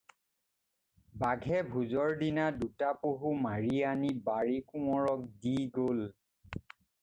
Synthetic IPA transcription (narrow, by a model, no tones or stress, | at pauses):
baɡʱɛbʱuzɔɹdinadutapoɦumaɹianibaɹikuɔɹɔk̚diɡol